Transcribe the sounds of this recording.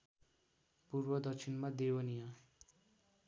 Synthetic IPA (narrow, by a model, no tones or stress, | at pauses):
purwʌd̪ʌt͡ʃʰinmad̪ewʌnija